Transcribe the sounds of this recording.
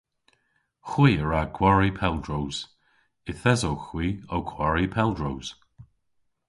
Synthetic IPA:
xwiːəɹakʰwaɹipʰɛldɹowz̥ | ɪθɛzowxwiːowkʰwaɹipʰɛlˠdɹowz̥

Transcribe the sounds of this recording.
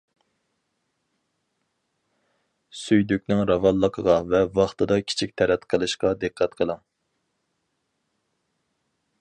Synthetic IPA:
syjd̪ykʲnɪŋɾɑvɑlˠːəqʰəʁɑvɛvɑχt̪ɨd̪ɑkʲʰi̥t͡ʃʰik̚ʲt̪ʰɛɾɛt̪qʰəlˠɨʃqɑd̪ɨqʰːɛt̪qʰəlˠɑŋ

